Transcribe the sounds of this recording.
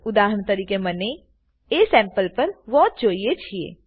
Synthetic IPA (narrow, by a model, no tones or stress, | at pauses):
ʊd̪aːɦəɽ̃t̪ɐɾiːkemɐne | esɛ̃ːmpəlpɐɾʋɔːt̪̚d͡ʒoːiet͡ʃʰiḛː